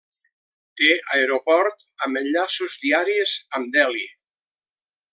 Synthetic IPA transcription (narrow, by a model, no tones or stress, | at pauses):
t̪eʔaeɾopɔɾt̪ | əmənʎasuzðiaɾiezəmd̪ɛli